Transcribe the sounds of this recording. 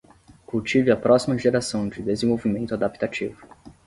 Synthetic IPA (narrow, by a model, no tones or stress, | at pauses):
kuwt͡ʃivɪɐpɾɔsimɐʒeɾasɐ̃w̃d͡ʒɪd̪ezẽvowvimẽnt̪ʊad̪api̥t̪at͡ʃḭvʊ